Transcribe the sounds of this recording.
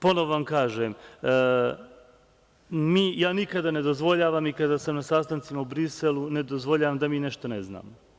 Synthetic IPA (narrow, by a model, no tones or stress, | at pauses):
po̞nooʋamkaːʒem | miːjaːnikad̪ane̞d̪o̞zʋo̞ʎaːʋaːmikad̪aːsamnasaːst̪ant̪simaubɾiselˠune̞d̪ozʋoʎaːʋamd̪amiːne̞ʃt̪onezna̰ːmo